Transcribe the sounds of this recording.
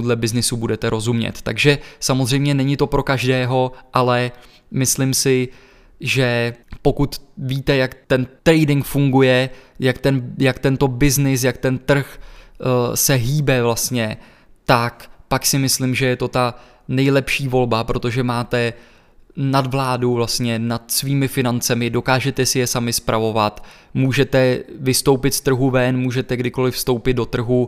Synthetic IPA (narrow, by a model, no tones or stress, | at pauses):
dlɛbɪznɪsubudɛt̪ɛɾʔo̞zumɲɛ̰t̪ːa̰ɡʒɛsamozr̝ɛjmɲɛnɛɲɪt̪o̞pɾo̞kaʒdɛːɦo̞ʔalɛ | mɪslɪmsɪ | ʒɛpo̞kut̪viːt̪ɛjakt̪ɛnt̪ɾɛjdɪŋkfuŋɡujɛjakt̪ɛnjakt̪ɛnt̪o̞bɪznɪs̬jak̚t̪ɛnt̪r̩x | sɛɦiːbɛvlast̪ɲɛ | t̪akpaksɪmɪslɪmʒɛjɛt̪o̞t̪a | nɛjlɛpʃiːvo̞lbapɾo̞t̪o̞ʒɛmaːt̪ɛ | nad̪vlaːdovlast̪ɲɛnat̪sviːmɪfɪnant͡sɛmɪdo̞kaːʒɛt̪ɛsɪjɛsamɪspɾavo̞vat̪ | muːʒɛt̪ɛvɪst̪o̞wpɪt̪st̪r̩ɦuvɛnmuːʒɛt̪ɛɡdɪko̞lɪfst̪o̞wpɪd̪̚do̞t̪r̩ɦu